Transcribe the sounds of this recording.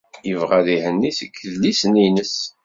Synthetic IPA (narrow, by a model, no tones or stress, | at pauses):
jəvʁæðihənːisəkːəðlisninəs